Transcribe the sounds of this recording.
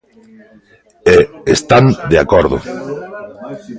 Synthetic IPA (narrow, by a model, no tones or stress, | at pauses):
eest̪and̪eakoɾðʊ̰